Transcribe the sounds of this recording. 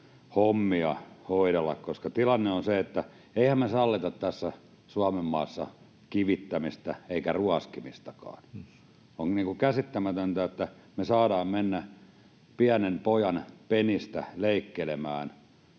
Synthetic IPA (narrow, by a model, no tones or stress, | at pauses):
homːiɑhoiɾelːɑ̰kkoskɑt̪ilɑnːeonseet̪ːæ | eihæmmesɑlːit̪ɑt̪t̪æsːæ | suɑmemːɑːsːɑ | kiʋit̪ːæmist̪æeikæruɑskimist̪ɑkɑ̰ːn | oŋniːŋkukæsit̪ːæmæt̪ønt̪æet̪ːæmesɑːdɑːmmenːæ | piænempojɑnpenist̪æ̰leikːelemæːn